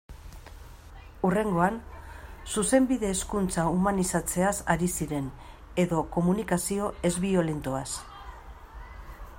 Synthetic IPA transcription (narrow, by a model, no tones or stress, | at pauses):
ure̞ŋɡo̞ansuse̞mbiðe̞ːskunt͡saumanisat͡se̞asaɾisiɾe̞n | e̞ðo̞ko̞munikasio̞e̞zβio̞lent̪oas